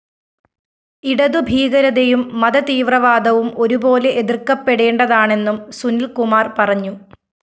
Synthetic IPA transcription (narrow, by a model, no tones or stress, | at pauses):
iɽɐðubʱiːɣɐɾɐðejumːɐðɐt̪iːʋrɐʋaːd̪ɐʋumo̞ɾubo̞ːle̞ʔeðirkːɐpːe̞ɽe̞ːɳɖɐðaːɳe̞nːumsunilkumaːrpɐrɐɲːu